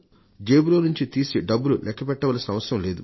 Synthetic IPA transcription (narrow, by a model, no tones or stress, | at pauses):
d͡ʒe̞ːbulo̞ːnuɲt͡ʃit̪iːsiɖɐbːululʔɛkːɐpɛʈːɐʋaːlsinɐʋɐsɐɾɐmle̞ːd̪u